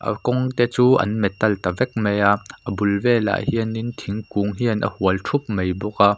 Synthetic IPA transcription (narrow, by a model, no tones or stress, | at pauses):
ʔə̰kɔŋt̪ɛt͡suːʔɐ̰nmɛt̪ːɐlt̪ɐvɛk̚mejaʔəbulvɛla̰ːjhiənint̪ʰiŋkuŋɦiənʔə̰huəltʰup̚mejbuk̚a